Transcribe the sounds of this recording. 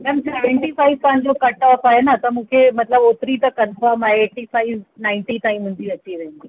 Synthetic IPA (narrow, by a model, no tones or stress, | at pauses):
mɛmsaɖẽɳʈifaiʋpanɾokəʈaːpaɦenat̪əmũːkʰemət̪ləbopɾiːt̪əkənfəɾmaɦeːʈːifaiʋnaɪɳʈit̪ãɦĩm̤əɳd͡ʑiət͡ɕiʋənɡi